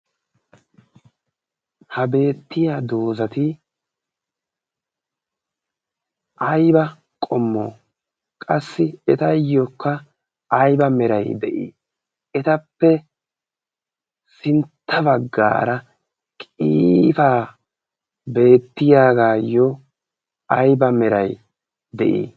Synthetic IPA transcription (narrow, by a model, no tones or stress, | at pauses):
hɐbe̞ːt̪ːɪjaːd̪o̞ːzɐt̪ɪ | ʔɐjbɐ | kʼɔmːo̰ː | kʼɐsːɪɛt̪ɐjɔkːɐː | jbɐmɛɾɐjd̪ɛʔḭː | ɛt̪ɐpːɛ | sɪnt̪ːɐbɐɡːa̰ːɾɐ | kʼiːfaː | be̞ːt̪ːɪjaːɡaːjɔ | ɐjbɐmɛɾɐj | d̪ɛ̰ʔḭː